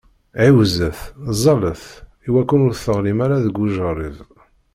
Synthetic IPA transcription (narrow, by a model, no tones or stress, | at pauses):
ʕiwzəθzˤɑləθ | iwækːunʊɾθəʁlimaɾaðəɡːuʒəɾˤið